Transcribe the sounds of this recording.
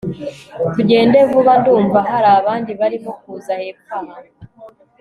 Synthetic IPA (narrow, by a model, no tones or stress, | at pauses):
tuɟe̞ːnde̞vuβanduːɱvaɦaɾaːβaːndiβaɾimo̞k̚uːzaheːpkaha